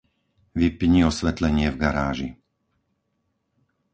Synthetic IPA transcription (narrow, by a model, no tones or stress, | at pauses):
ʋipɲiɔsʋɛt̪lɛɲɪɛvɡaɾaːʒi